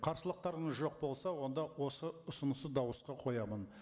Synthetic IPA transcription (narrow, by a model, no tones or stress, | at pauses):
qʰɑɾsəlˠəq̚t̪ɑɾənʒo̞q̚bo̞lˠsɑwo̞nd̪ɑwo̞səʊsʊnəsəd̪ɑwəsqɑqʰo̞jɑmən